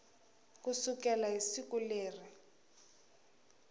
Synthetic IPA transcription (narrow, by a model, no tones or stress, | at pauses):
kusukɛlaɦisikuleːri